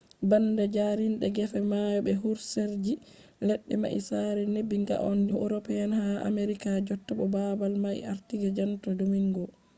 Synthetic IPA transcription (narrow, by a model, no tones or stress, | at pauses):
bandad͡ʒaɾinɗɛɡɛfɛmajɔbɛɦuɾseɾd͡ʒi | lɛɗːɛma̰ʔḭsaːɾɛnebːiŋɡa̰ʔɔndɛʔuɾɔpɛanhaa̰meɾikad͡ʒɔtːabɔbabalmaj̰aɾtiɡad͡ʒantɔdumiŋɡɔ